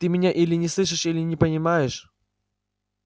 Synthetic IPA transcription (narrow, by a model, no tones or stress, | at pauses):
t̪ɨmʲɪnʲaʔilʲɪnʲɪslˠɨʂ̬ɨʂilʲɪnʲɪpənʲɪmajɪʂ